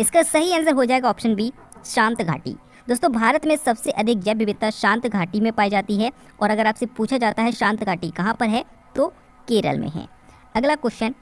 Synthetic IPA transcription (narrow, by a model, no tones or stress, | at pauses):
ɪskasɐɦiɐnəzəɾɦod͡ʒaːeːɡaɔːpʃənbʱi | ʃãːnt̪ɡʱa̰ːʈḭː | d̪oːst̪õbʱaːɾət̪mẽsɐbseʔɐd̪ʱɪk̚d͡ʒɛbɪbɪt̪ːaʃãːnt̪ɡʱaːʈimẽpaːid͡ʒaːt̪iɦɛ | ɔːɾɐɡəɾaːpsepuːt͡ʃʰad͡ʒaːt̪aɦɛʃãːnt̪ɡʱaːʈikɐɦãpɐɾɦɛ | t̪o | keːɾə̰lmʔḛ̃ɦɛ̰ː | ɐɡlakʊːʃən